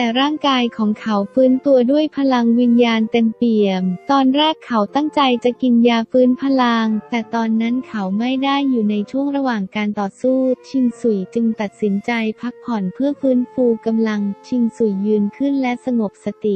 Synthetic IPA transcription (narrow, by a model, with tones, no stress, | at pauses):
t̪ɛː˨˩ɾaː˥˩ŋkaː˧jkʰɔː˩˦ŋkʰa˦wfɯː˦˥nt̪u˧ɐdu˥˩əjpʰa˧la˧ŋwi˧njaː˧nt̪e˧mpi˨˩əmt̪ɔː˧nɾɛː˥˩kʰːa˩˦wt̪a˥˩ŋt͡ɕa˧jt͡ɕa˨˩ʔki˧njaː˧fɯː˦˥npʰa˧la˧ŋt̪ɛː˨˩t̪ɔː˧nːa˦˥nkʰa˨˦wma˥˩jdaː˥˩jːuː˨˩na˧jt͡ɕʰu˥˩əŋɾa˧waː˨˩ŋkaː˧nt̪ɔː˨˩suː˥˩t͡ɕʰi˧ŋsu˨˩jt͡ɕɯ˧ŋt̪a˨˩t̪̚si˩˦nt͡ɕa˧jpʰa˦˥k̚pʰːɔ˨˩˦npʰɯ˥˩əfɯː˦˥nfuː˧ka˧mla˧ŋt͡ɕʰi˧ŋsu˨˩jːɯː˧nkʰɯ˥˩nlɛ˦˥sa˧ŋo˨˩p̚sa˧t̪i˨˩